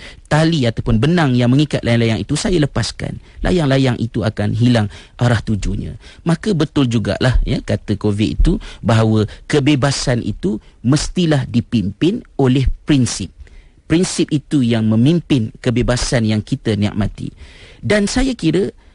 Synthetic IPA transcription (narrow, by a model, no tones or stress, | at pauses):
t̪aliat̪awpʊnbənãŋjaŋmə̃ŋikat̪̚lʔajaŋlajaŋḭt̪usajaləpaska̰n | lʔa̰jaŋlajaŋʔḭt̪uakanɦilaŋʔaɾaht̪ud͡ʒuɲã̰mãkəbət̪ʊld͡ʒuɡa̰ʔlahjakat̪əkovɪt̪̚it̪ubaɦawəkəbebasanʔḭt̪uməst̪ilahdipimpɪnolɛhpɾinsɪp̚ː | ɾinsɪp̚it̪ujaŋmə̃mĩmpɪnkəbebasanjaŋkit̪ənia̰ʔ̚mãt̪ḭdansajakiɾə